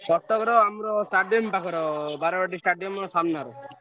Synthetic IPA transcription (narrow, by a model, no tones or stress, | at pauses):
sɔʈːɔkɔɾɔamɾɔsʈaɖiɔmpakʰɔɾɔbaɾɔbaʈisʈaɖijɔmɾɔsamnaɾɔ